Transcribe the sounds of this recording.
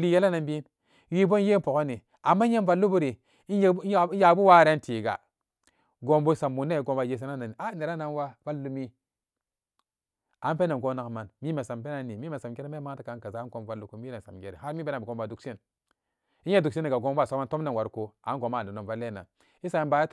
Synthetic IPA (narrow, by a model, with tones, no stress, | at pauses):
li˦ja˦la˦na˨nbi˦n | wi˦bo˦n˦je˦npo˨ko˦ni˨ | a˨mːa˦ɲ˦e˦nva˨lːu˦bu˦ɾi˨˦ | ja˨˦bu˦wa˦˨ɾe˦n˦tiː˨ɡa̰˨ | ɡo˨mbo˦sa˨mːu˨nːe˦˨ɡo˨mba˨je˨s̬e˦na˦na˨n˨a˦ne˨ɾa˦na˦nwa˦va˦lːu˦mi˦ | a˨˦pe˦ne˨ɡo˦na˨kma˨nmi˦me˨sa˨mpe˦na˦ni˨mi˦me˨sa˨mɡe˦ɾi˦me˦ma˦ta˨ka˨˦nka˨za˨˦nko˨mva˦lːu˦ku˦mi˦e˨n˨sa̰˨mɡe˦ɾḭ˨ha˦ɾmi˦be˦na˨bi˨ɡo˨mba˨du˨ksi˦n | i˦ɲ˦e˦du˨ksi˦ni˨ɡa˨ɡo˦m˦a˦˨o˦ma˦nto˦m˦ne˨nwa˨ɾko˦a̰˨˦ɡo˨˦ma˦˨e˨no˨va˦lːe˦na̰˨n | i˦sa˨nba˨jt